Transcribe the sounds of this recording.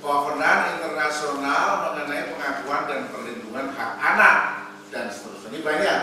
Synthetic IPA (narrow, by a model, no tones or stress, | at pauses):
kawakənanint̪ərnasionalməŋənaipəŋakuandanpərlind̪uŋanhak̚anak̚ | dansə̥t̪əɾʊstadibaɲak̚